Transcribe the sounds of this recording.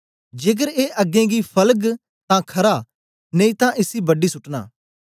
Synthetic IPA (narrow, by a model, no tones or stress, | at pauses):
d͡ʒeːk̬əɾeːʔɐɡẽːɡipʰɐləɡ | t̪ãkʰɐɾa | neĩt̪ãʔɪsibɐɖːisʊʈna̰ː